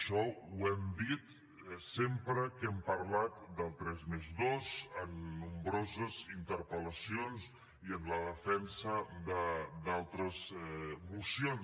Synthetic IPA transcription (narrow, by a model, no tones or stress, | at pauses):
ʃɔuɛmd̪it̪ | sempɾəkɛmpəɾlat̪d̪əlˠt̪ɾɛzmezðozənːumbɾozəzint̪əɾpələsionz | iənləðəfɛnsəd̪əd̪alˠt̪ɾəzmusion